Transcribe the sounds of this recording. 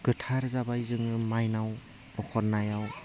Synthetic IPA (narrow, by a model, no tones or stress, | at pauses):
ɡ̥ɯtʰaɾzabajzɯŋɯmajnaw | ɔkʰɔɾnajaw